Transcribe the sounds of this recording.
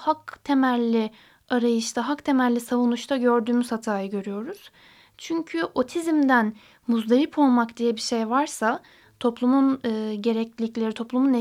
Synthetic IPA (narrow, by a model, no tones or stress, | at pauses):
hakt̪ʰe̞mælʲːi | aɾajɯʃt̪ʰaɦakt̪ʰe̞mæɾlʲisavunuʃt̪ʰaɟø̞ɾd̪yːmyzhat̪ʰaːjɯɟø̞ɾyjo̞ɾuz̥ | t͡ʃʰyɲcʰyʔo̞t̪ʰizmd̪æn | muzd̪aɾipʰo̞lˠmakd̪ijɛbiʃe̞jvaɾsa | t̪ʰo̞plˠumunɯːɟe̞ɾɛclʲiclʲeɾit̪ʰo̞plˠumune